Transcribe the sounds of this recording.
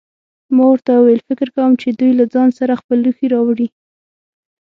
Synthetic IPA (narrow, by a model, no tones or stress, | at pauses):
mɑwəɾt̪awuwajlfɪkɪɾkawəmt͡ʃed̪ujlad͡zɑnsaɾaxpəlːuxiɾɑwɽi